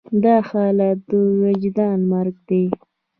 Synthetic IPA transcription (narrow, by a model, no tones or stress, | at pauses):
d̪ɑxɑːlad̪əwad͡ʒd̪ɑnmaɾɡ̚d̪e